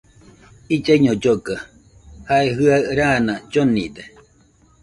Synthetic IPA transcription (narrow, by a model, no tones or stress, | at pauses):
id͡ʒaiɲod͡ʒoɡa | haeɦɯaɾaːnad͡ʒonid̪e